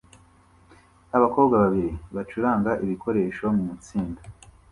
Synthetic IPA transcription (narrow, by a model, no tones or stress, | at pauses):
naβako̞ːbɡaβaβiɾiβat͡ʃuɾaːŋɡaʔiβikʰo̞ɾe̞ːʃomumut͡siːnda